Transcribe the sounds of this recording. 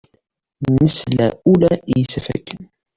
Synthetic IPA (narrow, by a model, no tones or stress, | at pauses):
nəslæulæjəsfæ̰kːən